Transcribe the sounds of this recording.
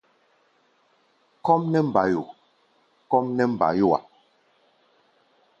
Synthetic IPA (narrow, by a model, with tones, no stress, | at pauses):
kɔ˦mnɛ˦m̩˨ba˨˦ju˨ | kɔ˦mnɛ˦m̩˨ba̰˨jo˦wa̰˨